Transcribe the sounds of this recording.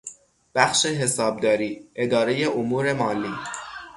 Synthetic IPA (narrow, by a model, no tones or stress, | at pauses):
b̥æxʃeɦe̞sɒːb̚d̪ɒːɾiːʔe̞d̪ɒːɾe̞je̞ʔomuːɾe̞mɒːlːiː